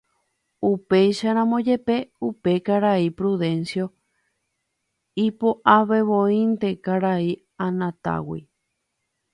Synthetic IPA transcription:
upe̞jʃaɾ̃ãmõd͡ʒe̞pe̞upe̞kaɾaipɾuðe̞nsjo̞ | ipoʔaβe̞βõĩnt̪e̞kaɾai | ãnãt̪a̰wḭ

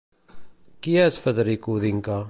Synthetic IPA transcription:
kiæt͡sfəðəɾikuðiŋka

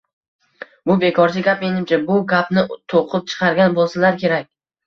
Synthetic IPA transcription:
bʊbe̞kʰɒɾt͡ʃʰɪɡʲapmenɪmt͡ʃʰabʊɡʲapnɪt̪ʰoqʰɨp̚t͡ʃʰɨ̥qʰɑɾɡʲanbolˠsalaɾkʲʰe̞ɾakʲ

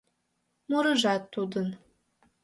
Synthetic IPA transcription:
muɾəʒɑt̪ːud̪ən

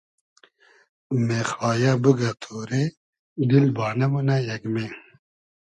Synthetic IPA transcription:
mexaːjabəɡɐt̪ʰoːɾe | d̪ilbaːnɐmunɐjɐɡme

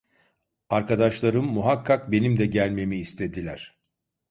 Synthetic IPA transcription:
aɾkad̪aʃlˠaɾɯmːuɦakʰːak̚be̞nimd̪ɛɟælʲme̞miːst̪ʰe̞d̪ilʲæɾ̝̥

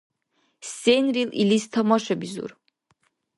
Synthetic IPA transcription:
senrilḭlist̪ʰamɔʃabizṵr

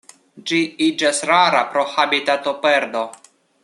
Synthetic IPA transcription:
d͡ʒiid͡ʒasɾaɾapɾo̞habitat̪o̞peɾdo̞

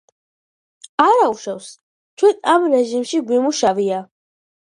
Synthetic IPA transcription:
aɾauʃɛws | t͡ʃʰwɛnamɾɛʒimʃiɡwimuʃavia

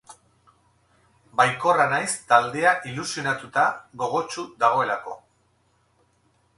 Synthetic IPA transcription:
bajko̞ranajst̪ald̪e̞aʔilusijo̞nat̪ut̪aɣo̞ɣo̞t͡ʃud̪aɣ̞o̞e̞lako̞̰

